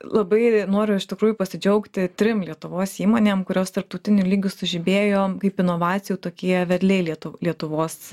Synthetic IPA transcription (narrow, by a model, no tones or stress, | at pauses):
lˠɐbɐɪnoːɾʲʊɪʃt̪ʲɪkɾuːjʊpɐsʲɪd͡ʒʲɛʊkt̪ʲɪt̪ʲɾʲɪmlʲiɛt̪ʊʋoːsiːmoːnʲeːmkʊɾʲoːst̪ɐɾp̚t̪ɐʊt̪ʲɪnʲʊlʲiːɡʲʊsʊʒʲɪbʲeːjoːkɐɪpɪnoːʋɑːt̪t͡s̪ʲɪjuːt̪oːkʲiɛʋʲɛɾʲlʲɛɪlʲɛt̪ʊlʲiɛt̪ʊʋoːs